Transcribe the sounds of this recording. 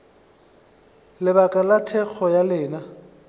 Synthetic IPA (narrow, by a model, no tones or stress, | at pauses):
lɪbakʼalatʰɛk͡xʰɔjalɪːna